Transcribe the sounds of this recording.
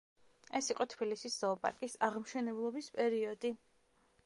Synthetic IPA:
ɛsiqʼɔt̪ʰbilisisz̥ɔːpʼa̰ɾkʼisaʁmʃɛnɛblˠɔbispʼɛɾiɔd̪i

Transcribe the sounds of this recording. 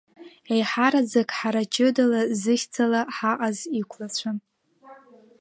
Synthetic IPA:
ejħaɾad͡zakʼħaɾat͡ʃʼodalazɨxʲt͡sʰalaħaʔʼazikʷʰlat͡ɕʷʰan

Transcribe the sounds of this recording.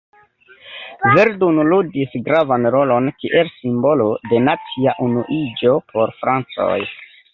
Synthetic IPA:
veɾdunludisɡɾavanɾo̞lo̞nkiʔe̞lsimbo̞lo̞de̞nat͡siaʔunuʔid͡ʒo̞pʰo̞ɾfɾant͡so̞̰j

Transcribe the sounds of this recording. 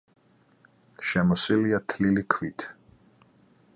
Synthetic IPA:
ʃɛmɔsiliat̪ʰlilikʰwit̪ʰ

